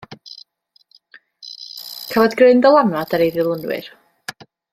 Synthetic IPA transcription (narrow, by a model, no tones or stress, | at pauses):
kʰavɔdɡrɪɨndɔlˠanadaɾejðɨlˠənwɪ̰r